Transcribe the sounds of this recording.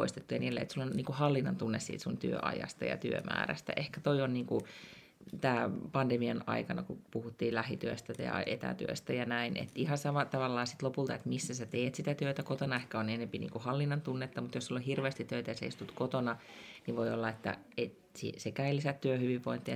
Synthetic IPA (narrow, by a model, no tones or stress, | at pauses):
o̰ist̪et̪ːujɑniːlːḛḛt̪sulːonniːŋkuhɑlːinːɑnt̪unːessḭːt̪sunt̪yø̰ʔɑ̰jɑ̰st̪ɑ̰jɑ̰t̪yø̰mæ̰ːræ̰st̪æ̰ʔehkæt̪oionniːŋku | t̪æːpɑndemiɑnɑ̰ikɑnɑkupuhut̪ːiːllæhit̪yøst̪æjɑ̰ḛt̪æ̰t̪y̰ø̰st̪æjɑnæinḛt̪ihɑsɑmɑt̪ɑʋɑlːɑːsit̪lopult̪ɑet̪misːæsæt̪eːt̪sit̪æt̪øit̪ækot̪onɑehkæonenempinḭːŋkuhɑlːinːɑnt̪unːet̪ːɑmut̪jossulːohirʋeːst̪it̪t̪ːøyt̪æjɑsæist̪ut̪kot̪onɑniʋʋoiolːɑet̪ːæ̰ | e | sḭsekæilːisæt̪tyøhyʋiʋʋoint̪ːi